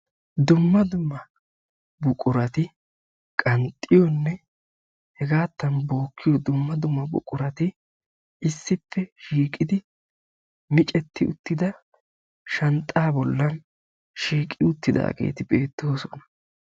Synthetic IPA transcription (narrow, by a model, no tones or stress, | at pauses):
d̪ʊmːɐd̪ʊmːɐ | bʊkʼʊɾɐt̪ɪ | kʼɐnt̪ʼːɪjɔnːɛ | hɛɡaːt̪ːɐnbo̞ːkʰːɪjɔd̪ʊmːɐd̪ʊmːɐbʊ̰kʼʊɾɐt̪ɪ | ɪsːɪpːɛʃiːkʼɪd̪ɪ | mɪt͡ʃʼɛt̪ːɪʊt̪ːɪd̪ɐ | ʃɐnt̪ʼːaːbɔlːɐn | ʃiːkʼːɪʊt̪ːɪd̪a̰ːɡe̞̰ːt̪ɪbe̞ːt̪ːo̞ːsɔnɐ̥